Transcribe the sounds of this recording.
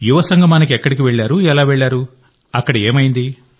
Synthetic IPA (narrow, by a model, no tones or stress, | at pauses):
juʋɐsɐŋɡʱɐmaːnikiɛkːɐɽikiʋeɭːaːɾuɛlaːʋeɭːaːɾu | ɐkːɐɽɐeːmɐjind̪i